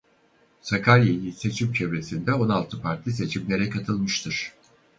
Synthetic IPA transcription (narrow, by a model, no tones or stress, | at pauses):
sakʰalʲjelʲise̞t͡ʃʰimt͡ʃʰevɾe̞sind̪ɛo̞nalˠt̪ʰɯpʰaɾt̪lˠɯs̬e̞t͡ʃʰimlʲe̞ɾɛkʰat̪ʰɯlˠmɯʃt̪ʰɯɾ̥